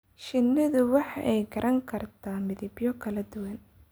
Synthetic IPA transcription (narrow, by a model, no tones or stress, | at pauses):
ʃɪnːɐðʊwɑħɑ̰ʔɛjɡɐɾʔɐŋkʰɐrt̪ʰaːmɪðɪbjɔkʰɐlɐd̪ʊwɐn